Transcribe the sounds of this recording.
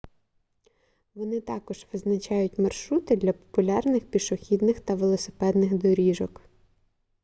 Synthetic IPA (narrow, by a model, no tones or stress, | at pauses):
ʋɔnɪt̪ɑkɔʒʋɪznɐt͡ʃɑjʊtʲmɐrʃɾut̪ɪd̪lʲɐpɔ̥pʊlʲɑrnɪxpʲiʃɔxʲid̪nɪxt̪ɐʋelˠɔsɪ̥pɛd̪nɪxd̪ɔɾʲiʒɔk